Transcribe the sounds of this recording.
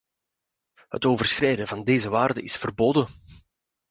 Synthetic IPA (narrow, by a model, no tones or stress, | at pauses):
hə̰toːvərsxrɛjdəvɑndeːzəʋaːrdəʔɪsfərboːdən